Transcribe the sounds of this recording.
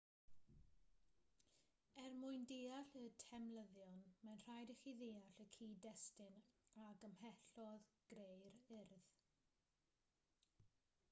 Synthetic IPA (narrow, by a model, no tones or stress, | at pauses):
ɛrmʊɨndeːaɬətʰɛmləðjɔnmɛnr̥ajdəχiðeːaɬəkʰiːdɛstɪnaɡəmhɛɬɔðɡ̥ɾejɾɪrð